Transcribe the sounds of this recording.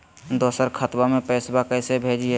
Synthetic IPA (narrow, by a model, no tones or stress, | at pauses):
d̪oːsəɾkʰət̪wamẽpɛːsbakɛːsebʱeːd͡ʒiɛ